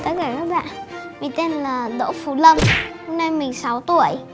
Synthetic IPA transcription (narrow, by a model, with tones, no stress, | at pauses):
t̪ə˦t̪̚kaː˧˩kaː˨˦˥k̚ɓa̰ː˧˨nmi˨˩ŋ̟t̪e˧nlaː˨˩ɗo̰˧˥fu˧˩lə˧nho˧mna˧jmï˨˩ŋ̟sa˨˦wt̪u˧˩ə˦j